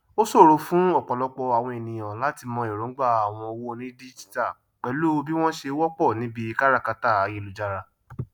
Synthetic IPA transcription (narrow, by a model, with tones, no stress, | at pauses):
o˦so˦˨ɾo˧fũ˦ɔ˦˨k͡pɔ˨lɔ˧k͡pɔ˧a˨w̃ɔ̃˧e˨nĩ˨ɔ̃˨la˨˦ti˧mɔ̃˧e˨ɾõ˨˦ɡ͡ba˦˨a˨w̃ɔ̃˧o˧wo˦˧nĩ˦di˦d͡ʒi̥˦ta˦˨ | k͡pɛ˨˦lo˦˧bi˦w̃ɔ̃˦ʃe˧˦wɔ˦k͡pɔ˦˨nĩ˨˦bi˦˧ka˦ɾa˦˨ka˧ta˦˨a˨je˨˧˨lu˨d͡ʒa˧ɾa˧